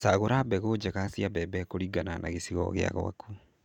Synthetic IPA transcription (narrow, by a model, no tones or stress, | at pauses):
saɣoɾabɛɣod͡ʑɛɣasiabɛbɛkoɾiɡananaɣesiɣɔ̰ɣea̰ɣw̰a̰ku